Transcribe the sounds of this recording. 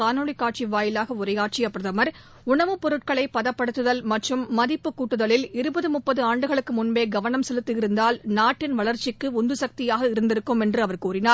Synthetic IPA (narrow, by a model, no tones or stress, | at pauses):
aːnoːɭɪkːaːʈ̚t͡ʃiʋaːjɪlaːɣɐʊrɐɪjaːʈ̚t͡ʃɪjɐpːɾɐðɐmɐɾ | ʊɳɐʋɯpːɔɾɯʈ̚kɐɭɐɪpːɐðɐpːɐɽɯt̪ːɯðɐlmɐʈrɯmːɐðɪpːɯkːuːʈːɯðɐɭɪlɪɾɯbɐðɯmʊpːɐðɯaːɳɖɯɣɐɭɯkːɯmʊnbeːɡɐʋɐnɐmsɛlɯt̪ːɯɪɾɯnd̪aːlnaːʈːɪnʋɐɭɐɾt͡ʃɪkːɯʊnd̪ɯsɐk̚t̪ɪjaːɣɐɪɾɯnd̪ɪɾɯkːɯmɛndrɯɐʋɐɾkuːrɪnaːɾ